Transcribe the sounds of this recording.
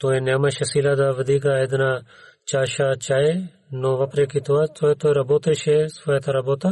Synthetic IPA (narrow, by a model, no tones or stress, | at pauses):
t̪oːẽnemɐʃɐsiːlad̪aːʋɐd̪iːk̬aed̪na | t͡ʃaːʃat͡ʃaːe | noːʋɐpɾekit̪uat̪oːet̪oːeɾɐboːt̪eʃesaːet̪ʰaɾɐboːt̪a